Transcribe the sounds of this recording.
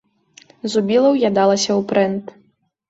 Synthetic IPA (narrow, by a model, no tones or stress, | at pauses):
zubʲilˠɐwjad̪alˠɐsʲɐwpɾɛnt̪